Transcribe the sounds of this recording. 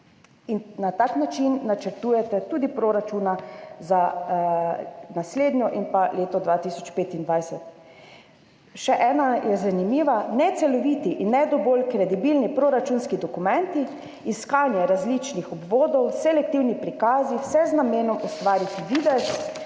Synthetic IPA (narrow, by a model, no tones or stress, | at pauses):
innat̪aknat͡ʃinːat͡ʃɛɾt̪uːjɛt̪ɛt̪uːd̪ipɾoɾat͡ʃuːnaza | nasleːd̪nʲjɔʔinpaleːt̪ɔd̪ʋaːt̪isɔt͡ʃpeːt̪ind̪ʋajsɛt̪ | ʃɛʔɛːnajɛzanimiːʋanɛt̪sɛlɔʋit̪iʔinːɛd̪ɔbolkɾɛd̪ibilnipɾoɾat͡ʃunskid̪ɔkumɛnt̪i | iskaːnjɛɾazlit͡ʃnixɔbʋoːd̪ɔwsɛlɛk̚t̪iwnipɾikaːziwsɛznameːnɔmust̪ʋaːɾit̪iʋiːd̪ɛs